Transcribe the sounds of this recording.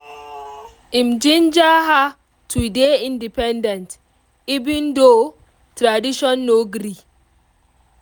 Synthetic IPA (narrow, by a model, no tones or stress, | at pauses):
ĩmd͡ʒĩnd͡ʒaɦa | tʰudeĩndipɛ̃ndɛ̃nt | ivĩndo | tɾadiʃɔ̃nːoɡɾi